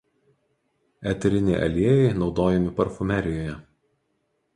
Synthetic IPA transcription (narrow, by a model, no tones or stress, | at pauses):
ɛt̪ʲɾʲɪnʲɛɪʔɐ̰lʲiɛjɛɪnɒʊd̪oːjɛmʲɪpɐɾfʊmʲæɾʲɪjoːjɛ